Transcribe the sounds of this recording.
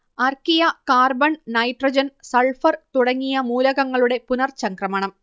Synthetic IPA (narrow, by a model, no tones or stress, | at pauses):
ɐrkijɐkaːrbɐɳnɐjʈrɐd͡ʑɐnsɐɭfɐrt̪uɽɐŋːijɐmuːlɐɣɐŋːɐɭuɽe̞punɐrt͡ɕɐŋkrɐmɐɳɐm